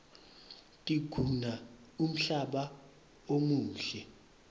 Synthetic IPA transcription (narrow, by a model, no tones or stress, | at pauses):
tʼiɡ̥ʱuna | um̩ɬaɓa | omuːɬɛ